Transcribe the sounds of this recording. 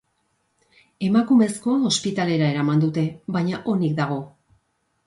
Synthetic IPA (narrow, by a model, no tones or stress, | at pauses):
e̞makume̞sko̞ospit̪ale̞ɾae̞ɾamand̪ut̪e̞βajɲaʔo̞nik̚d̪aɣ̞o̞